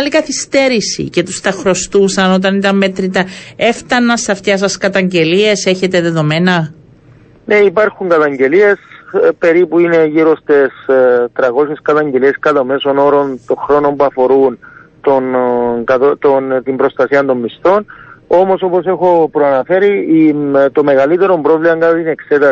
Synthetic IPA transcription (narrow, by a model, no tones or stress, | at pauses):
likɐθist̪e̞ɾisḭce̞t̪ust̪ɐxɾo̞st̪usɐno̞t̪̬ɐnit̪ɐmme̞t̪ɾit̪ɐe̞ft̪ɐnːɐsɐft̪çɐs̬ɐskɐt̪ɐɲɟe̞lie̞se̞çe̞t̪e̞ðe̞ðo̞me̞nɐ | ne̞ipɐɾxuŋɡɐt̪ɐɲɟe̞lie̞spe̞ɾipuine̞ʝiɾo̞st̪est̪ɾɐko̞se̞skɐt̪ɐɲɟe̞lie̞skɐt̪ɐme̞so̞no̞ɾo̞nt̪o̞ŋxɾo̞no̞mbuɐfo̞ɾunt̪onkɐt̪ot̪ont̪imbɾo̞st̪ɐsiɐnt̪o̞mːist̪o̞no̞mo̞so̞po̞se̞xo̞pɾoɐnɐfe̞ɾi | t̪o̞me̞ɣɐlit̪e̞ɾo̞mbɾo̞vlimɐŋɡaineːkse̞t̪ɐ